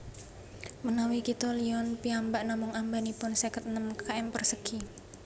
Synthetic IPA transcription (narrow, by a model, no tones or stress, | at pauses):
mənawikit̪ɔliɔnpiambaʔnamʊŋambanipʊnsɛkət̪̚nəmkaɛmpərsəki